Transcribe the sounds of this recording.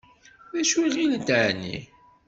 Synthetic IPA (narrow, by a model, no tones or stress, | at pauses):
ðæʃwiʁilit̪ʕnːḭ